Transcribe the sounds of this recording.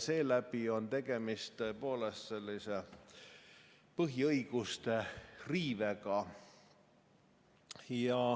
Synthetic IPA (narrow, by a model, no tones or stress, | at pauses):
se̞ːlæbio̞nt̪e̞ɡ̥e̞mist̪ːəepo̞ːlest̪se̞lʲːise̞ | pɤɦiɤiɡ̥ust̪e̞riːveɡɑ | jɑ